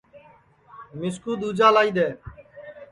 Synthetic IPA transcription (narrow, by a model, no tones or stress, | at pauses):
mɪskuːd̪uːd͡ʒaːlaːiːd̪eː